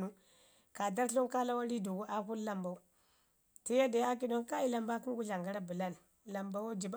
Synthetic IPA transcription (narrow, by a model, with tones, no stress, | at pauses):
nu˦ | ka˨da˦ɾɬo˦nka˦la˦wa˦li˦du˨ɡu˦ʔa˦ku˦n˦la˦mba˨u˦ | ti˦ja˦da˨ja˦k̬i˦do˦nka˦i˦la˨mba˦ki˦ɡu˦ɮa˨ŋɡa˦ɾa˦bu˨la˦n˨la˨mba˦wa˦d͡ʒi˨ba˦